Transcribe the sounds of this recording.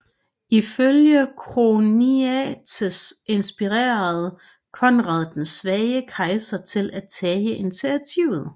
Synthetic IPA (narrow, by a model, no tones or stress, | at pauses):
iføljəkʰʁoniæt͡sʰəse̝nsb̥iʁḛːɐð̞̩ˠ | kʰɒ̽nʁɑ̰̈ðˠd̥n̩sʋɛːɪəkʰʁɑ̈ɪsɐt͡sʰe̝lʔæt͡sʰɛːjəʔent͡sʰit͡sʰiʊ̰ð̩ˠ